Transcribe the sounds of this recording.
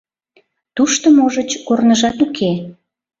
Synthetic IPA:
t̪uʃt̪omoʒət͡ɕkornəʒɑt̪ukʰe

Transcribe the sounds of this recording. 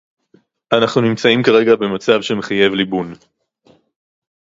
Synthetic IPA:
anaχnunimt͡saimkaʁe̞ɡabe̞mat͡savʃe̞meχaje̞vlibun

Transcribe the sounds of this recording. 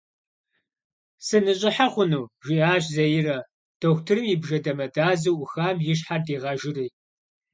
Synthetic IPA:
sɨnɨɕʼɪħaχʷʊnuwʒʷiaːɕzɐjɪrɐ | d̥oxʷtʰɨrɨmjɪbʒɐdɐmɐdaːzɨwʊxaːmjɪɕ̬ħardiːʁɐʒɪriː

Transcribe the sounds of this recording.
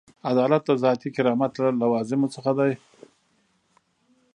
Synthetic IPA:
ad̪ɑlat̪̚d̪əzɑt̪ikɪɾɑmat̪lalawɑzɪmot͡səxad̪aj

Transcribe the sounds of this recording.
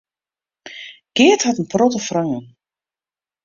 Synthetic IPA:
ɡ̥ɪəthatənprɔtəfraŋən

